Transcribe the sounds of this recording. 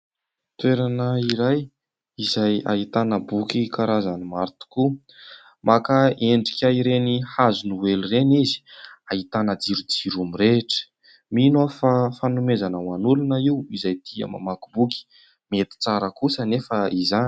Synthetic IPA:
t̪weɾanəiɾaj | izaja̰it̪anəbukʲikaɾazanimaɾt̪u̥ku | makaeɳɖ͡ʐikʲaiɾenihazunuwelurenizi̥aɦit̪anəd͡ziɾud͡ziɾumiɾeʈ͡ʂə̥ | minafafanumezanəwanulunəiwizajt̪ʰiə̰ma̰makubuki̥ | met̪i̥t͡saɾəkusənefəizan

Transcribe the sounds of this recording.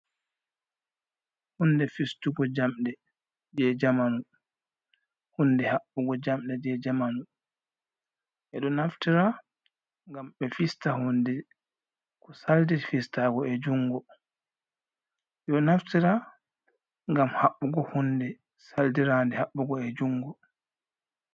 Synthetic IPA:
hundɛfistuɡɔd͡ʒamdɛ | d͡ʒɛd͡ʒamanu | hundɛhaɓːuɡɔd͡ʒamɗɛd͡ʒɛd͡ʒamanu | ʔɛɗɔnaftiɾa | ŋɡamɓɛfistahundɛ | kɔsaldiɾfistaɡɔɛd͡ʒuŋɡɔ | jɔnaftiɾa | ŋɡamhaɓːuɡɔhundɛ | saldiɾandɛhaɓːuɡɔɛd͡ʒuŋɡɔ

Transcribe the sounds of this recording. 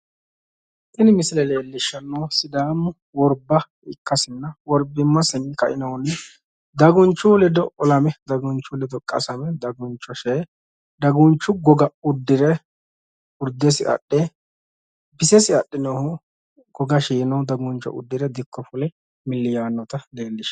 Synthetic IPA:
ʔɪnɪmɪsɪlɛleːlːɪʃːɐnːɔwsɪd̪aːmʊ | wɔɾbɐ | ɪkːɐsɪnːɐwɔɾbɪmːɐsɪnkɐʔɪnɐwnːɛ | d̪ɐɡʊnt͡ʃːʊlɛd̪ɔʔɔlɐmɛd̪ɐɡʊnt͡ʃːʊlɛd̪ɔkʼɐ̰sɐmɛd̪ɐɡʊnt͡ʃːɔʃeː | d̪ɐɡʊnt͡ʃːʊɡɔɡɐʊd̪ːɪɾɛ | ʊɾd̪ɛsɪʔɐ̰ɗːɛ | bɪsɛsɪɐɗːɪnɔhʊ | ɡ̥ɔɡɐʃiːnɔwd̪ɐɡʊnt͡ʃːɔ̰ʔʊ̰d̪ːɪɾɛd̪ɪkʰːɔfʊlɛ | mɪlːɪjaːnːɔt̪ɐle̞ːlːɪʃ

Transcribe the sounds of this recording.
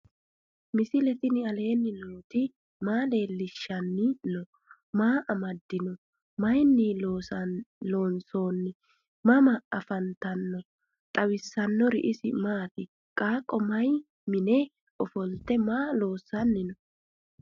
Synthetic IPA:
mɪsɪlɛt̪ɪnɪɐle̞ːnːɪnoːt̪ɪ | maːle̞ːlːɪʃːɐnːɪnɔ | maːʔɐmɐd̪ːɪnɔ | mɐjnːɪloːsɐlo̞ːnso̞ːnːɪ | mɐmɐɐfɐnt̪ɐnːɔ | t̪ʼɐwɪsːɐnːɔɾɪ̰ʔɪsɪmaːt̪ɪ | kʼaːkʼːɔmɐj | mɪnɛ | ʔɔfɔlt̪ːɛmaːlo̞ːsːɐnːɪnɔ

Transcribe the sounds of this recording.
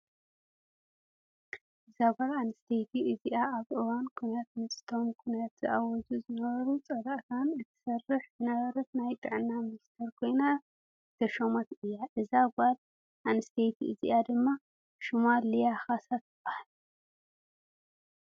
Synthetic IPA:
ʔɨzaɡʷaɾanɨst̪ʰejt̪ʰiʔɨziʔaaβʔɨwankʰunjat̪mɨt͡sʼt̪ʰomkʰunjat̪ːɨʔawɔzuzɨnɐβɐɾut͡sʼɐd̪aʔt̪ʰanɨt̪ʰɨ̥sɐrːɨħzɨnɐβɐɾɐt̪najt̪ʼɨʕɨnːamɨnist̪ʰɐɾkʰo̞jna | t̪ʰɐʃomat̪ʔɨjːaʔɨzaɡʷal | ʔanɨst̪ʰejt̪ʰiʔɨziʔad̪ɨmːa | ʃumalːijaxasat̪ɨbahalu

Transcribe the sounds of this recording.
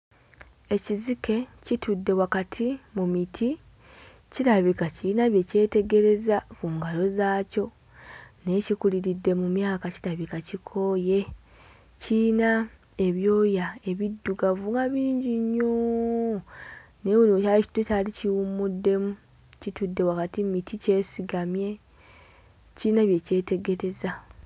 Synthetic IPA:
e̞cizike̞citʰudːe̞wakatʰimumitʰi | ciɾaβikaciːnaβje̞ce̞ːte̞ɡe̞ɾe̞zakuŋɡalo̞zaːco̞ | ne̞cikuliɾidːe̞mumjaːkaciɾaβikacikʰo̞je̞ | ciːna | e̞βjo̞ːjae̞βidːuɡavuŋɡaβiːɲɟiɲːo | ne̞wuliwoaici̥tecaliciwumudːe̞mu | citudːe̞wakatimitʰice̞ːsiɡamje̞ | ciːnaβje̞ce̞ːte̞ɡe̞ɾe̞za

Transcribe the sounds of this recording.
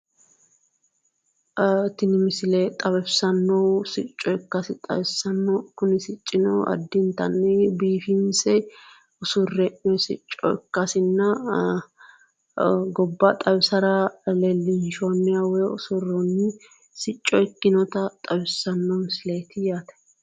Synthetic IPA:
t̪ːɪnɪmɪsɪleːt̪ʼɐβɛbsɐnːɔwsɪt͡ʃʼːɔkːɐsɪt̪ʼɐ̰bɪsɐnːɔkʊnɪsɪt͡ʃʼːɪnɔɐ̰d̪ːɪnt̪ɐ̰nːɛbiːfɪnsɛ | ʊsʊrːɛʔɛsɪ̰t͡ʃʼːɔ̰ɪ̰kːɐsɪnːɐ | ɡɔbːɐt̪ʼɐbɪsɐɾɐlelːɪnʃɔnːɪjawɛʊsʊrːɔnːɪ | sɪt͡ʃʼːɔɛkːɪnɔt̪ɐt̪ʼɐbɛsɐnːɔmɪsɪleːt̪ɪjaːt̪ɛ̥

